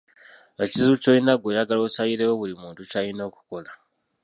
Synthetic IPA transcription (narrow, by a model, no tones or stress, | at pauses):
at͡ʃizut͡ʃoinaɡojaɡalosaiɾewoβuɾimuːntut͡ʃainoku̥kola